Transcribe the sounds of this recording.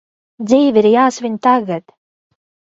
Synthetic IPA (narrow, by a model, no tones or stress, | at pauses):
d̪ziːviɾjaːsvʲiɲʲt̪aɡat̪